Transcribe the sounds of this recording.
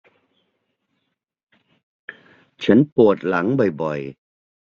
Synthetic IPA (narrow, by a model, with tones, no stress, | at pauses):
t͡ɕʰa˦˥npu˨˩ət̪̚la˩˦ŋbɔ˨˩jbɔ˨˩j